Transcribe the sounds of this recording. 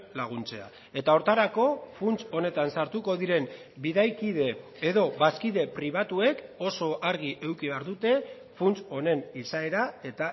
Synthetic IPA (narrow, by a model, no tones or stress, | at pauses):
laɣ̞unt͡se̞a | e̞t̪ao̞ɾt̪aɾako̞funt͡so̞ne̞t̪ansaɾt̪uko̞ðiɾe̞m | biðajkiðe̞ː | ðo̞βaskiðe̞pɾiβ̞at̪ue̞ko̞so̞ʔaɾɣ̞iʔe̞wkiβe̞aɾðut̪e̞ | funt͡so̞ne̞nisae̞ɾae̞t̪a